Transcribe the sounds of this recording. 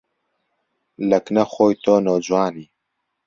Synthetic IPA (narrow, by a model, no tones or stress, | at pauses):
lɐknɐxoːjt̪ʰoːnoːd͡ʑwaːniː